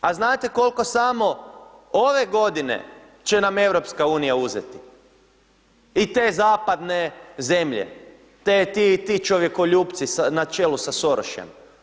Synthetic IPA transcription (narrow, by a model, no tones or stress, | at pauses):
aznaːt̪e̞ko̞lˠko̞samo̞o̞ʋe̞ɡo̞d̪ine̞̰ | t͡ʃe̞name̞ʋɾo̞pskauːnijauzḛt̪i̥ | it̪eːzaːpad̪ne̞ze̞mʎḛ | t̪et̪it̪it͡ʃoʋje̞ko̞ʎuːpt̪sisanat͡ʃe̞ːlusaso̞ɾoʃjḛm